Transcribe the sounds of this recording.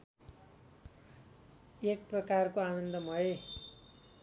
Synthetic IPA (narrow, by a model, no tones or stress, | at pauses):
ek̚prʌkarkoanʌnd̪ʌmʌe